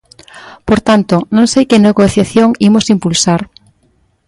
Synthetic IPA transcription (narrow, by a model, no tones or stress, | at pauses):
poɾt̪ant̪onõŋsejkeneɣoθjaθjoŋimosimpulsaɾ